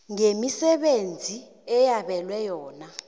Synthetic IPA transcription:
ŋemisɛɓend͡zʱi | ɛjaɓɛlwɛjɔːna

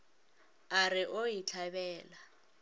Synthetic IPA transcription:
arɪʔojit͡ɬʰabɛːla

